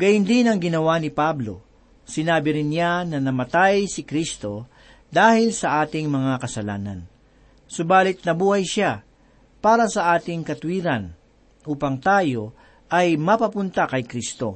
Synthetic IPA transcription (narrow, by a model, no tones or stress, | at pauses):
ɡ̥ɐjɪnd̪ɪnɐŋɡɪnɐwanɪpablo̞̰ | sɪnaːbɪɾɪnːjanɐnɐmɐt̪ajsɪkɾist̪o̞ | d̪aːhɪlsɐʔaːt̪ɪŋmɐŋakɐsɐla̰ːnɐ̰n | sʊbaːlɪt̪̚nɐbuːhɐjʃa | paːɾɐsɐʔaːt̪ɪŋkɐt̪wiːɾɐn | ʔuːpɐŋt̪aːjo̞ | ʔɐjmɐpɐpʊnt̪ɐkɐjkɾist̪o̞̰